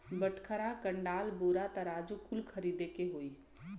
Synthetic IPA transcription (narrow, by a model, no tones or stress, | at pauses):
bəʈʰkʰəɾakə̃ɳɖaːlboːɾat̪əɾaːd͡ʒokʰʊlkʰɐɾiːd̪ekeɦoːiː